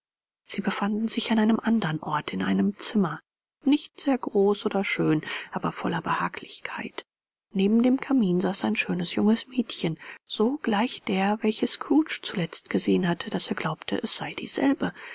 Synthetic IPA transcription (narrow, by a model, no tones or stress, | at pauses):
z̥iːbəfandn̩zɪçanʔaɪnəmʔandɐnʔɔɐtʰɪnʔa̰ɪnəmt͡sɪmɐ | nɪçtz̥eːɐɡʁoːsʔoːdɐʃøːnʔaːbɐfɔlɐbəha̰ːkʰlɪçkʰaɪt | neːbm̩deːmkʰamiːnzaːsaɪnʃøːnəsjʊŋəsmɛːtçənz̥oːɡ̥laɪçd̥eːɐvɛlçəskʁuːt͡ʃt͡sulɛt͡stɡ̥əzeːənɦatʰəd̥aseːɐɡlaʊptʰə̰ʔɛsz̥aɪdḭːz̥ɛ̰lbə